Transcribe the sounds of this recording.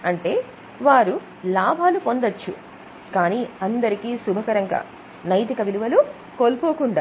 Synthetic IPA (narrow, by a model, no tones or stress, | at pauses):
ɐɳʈe̞ː | ʋaːɾu | laːbʱaːlupo̞nd̪ɐt͡ʃːṵ | kaːniːɐnd̪ɐɾikiːsubʱɐkɐɾɐŋɡa̰ː | nɐjt̪ikɐʋiluʋɐlu | koːlpoːkuɳɖaː